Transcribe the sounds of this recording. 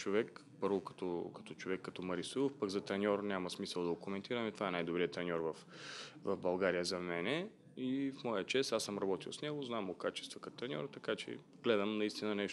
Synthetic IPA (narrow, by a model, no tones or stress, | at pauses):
t͡ʃovɛk | pɤɾvokɐ̥t̪ɔkɐ̥t̪ɔt͡ʃovɛkːɐt̪ɔmɐɾisiofpəɡzɐt̪ɾɛnʲɔɾnʲamɐsmisəlˠd̪ɐɡokomɛnt̪iɾɐmɛt̪ovaɛnajd̪obɾijət̪ɾɛnʲɔɾvɐfvɐvbɐlˠɡaɾijəzɐmɛnɛ | ifmɔjət͡ʃɛsasəmɾɐbɔt̪ilˠsnɛɡoznamokat͡ʃɛ̥st̪vɐkɐt̪ɾɛnʲɔ̰ɾt̪ɐkat͡ʃɛ̰ | ɡ̥lɛd̪ɐmnɐist̪inɐnɛʃ